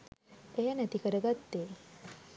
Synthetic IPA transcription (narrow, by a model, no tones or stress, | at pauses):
ejanæt̪ikəɾəɡat̪ːeː